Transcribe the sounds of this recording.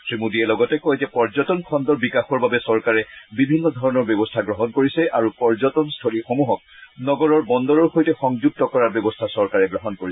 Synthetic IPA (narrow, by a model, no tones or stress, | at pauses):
tɹimudiɛlɔɡɔtɛkɔjzɛpɔɹzɔtɔnkʰɔndɔɹbikaxɔɹbabɛsɔɹkaɹɛbibʱinːɔd̪ʱɔɹɔnɔɹbɔbɔstʰaɡɹɔɦɔnkoɹisɛʔaɹupɔɹzɔtɔnstʰolixomuɦɔk̚nɔɡɔɹɔɹbɔnd̪ɔɹɔɹxojtɛxɔŋzuɡ̚tɔkɔɹaɹbɔbɔstʰasɔɹkaɹɛɡɹɔɦɔnkoɹis